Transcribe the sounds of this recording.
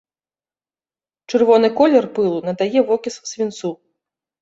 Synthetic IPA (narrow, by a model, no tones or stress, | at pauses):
t͡ʂɨrvɔnɨkɔlʲɛrpɨlˠunɐd̪ajɛvɔkʲissʲvʲint̪su